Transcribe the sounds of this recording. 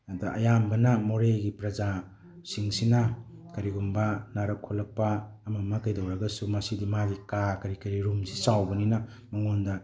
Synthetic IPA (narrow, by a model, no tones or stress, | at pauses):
ɐdɐʔɐ̰jambɐnɐmoɾeɡipɾɐza | siŋsinɐ | kɐɾiɡumbɐnaɾɐkʰːolɐk̚pɐːmɐmɐkɐjdɐwɾɐɡɐsumɐsidimaɡikakɐɾikɐɾiɾumsi̥sawbɐninɐ | mɐŋondɐ